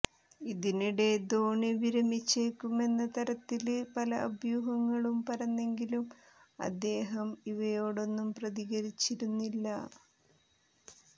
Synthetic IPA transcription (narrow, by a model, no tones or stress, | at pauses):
iðiniɽe̞d̪o̞ːɳiʋiɾɐmit͡ɕːeːkːume̞nːɐt̪ɐɾɐt̪ːilpɐlɐʔɐbjuːɦɐŋːɐɭumpɐrɐnːe̞ŋɡilum | ɐ̰d̪ːe̞ːɦɐmiʋɐjo̞ːɽo̞nːumprɐðiɣɐɾit͡ɕːiɾunːilːɐ